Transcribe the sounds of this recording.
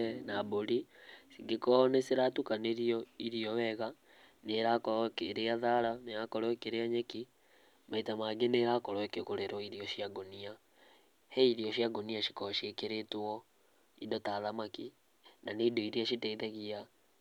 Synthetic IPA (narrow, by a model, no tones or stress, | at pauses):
naboɾisiɡekɔneseɾatukaneɾiɔiɾiɔwɛɣa | neɾakɔkeɾeaðaɾaneakɔɾwɛkeɾeaɲeki | maitamaɡeneɾakɔɾwɛkekoɾeɾɔiɾiɔʃiaɡonia | heiɾiɔʃjaɡoniaʃi̥kɔʃekeɾetɔ | idɔtaðamaki | nanedoiɾiaʃitɛiðɛɣia